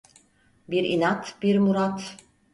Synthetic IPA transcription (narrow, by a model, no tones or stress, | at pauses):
biɾinat̪biɾmuɾat̪